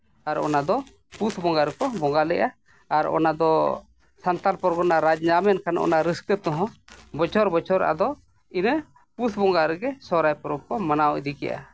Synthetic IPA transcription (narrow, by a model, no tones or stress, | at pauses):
aɾɔ̰nad̪ɔ | put̪ʰbɔŋɡaɾɛkɔbɔŋɡalɛʔaː | ɾɔ̰nad̪ɔ | sant̪alpɔɾɡɔnaɾad͡ʒɲamɛnkʰanʔɔ̰naɾiskət̪ɔɦɔ̃bɔt͡ʃʰɔɾbɔt͡ʃɔɾʔa̰d̪ɔ | inə | put̪ʰbɔŋɡaɾɛɡɛsɔɾajpɔɾɔp̚kɔmanawɛʔd̪ikɛjʔa̰